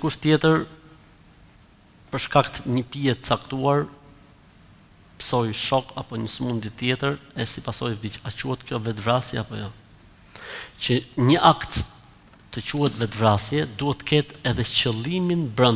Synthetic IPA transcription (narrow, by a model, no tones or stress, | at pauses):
kuʃt̪jɛt̪əɾ | pəɾʃkak̚t̪ɲəpiɛt̪ət͡sakt̪uaɾ | pə̥sɔjʃɔkapɔɲəsəmund̪it̪jɛt̪əɾɛsipasɔjvd̪icat͡ɕuhɛt̪kjɔvɛt̪vɾasjɛapɔjɔ | t͡ɕəɲəʔakt̪ | t̪ət͡ɕuhɛt̪vɛt̪vɾasjɛd̪uhɛt̪ːə̥kɛt̪ɛðɛt͡ɕəlˠiminbɾən